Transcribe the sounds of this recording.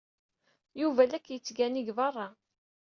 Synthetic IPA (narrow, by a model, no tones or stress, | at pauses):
juvælækːjət͡sːɡæniɡvɑrˤːɑ